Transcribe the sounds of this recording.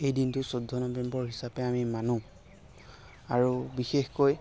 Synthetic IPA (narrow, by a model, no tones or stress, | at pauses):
ejdintʊsodʱːɔnɔbembɔɹɦisapɛamimanũ | aɹubixexkoj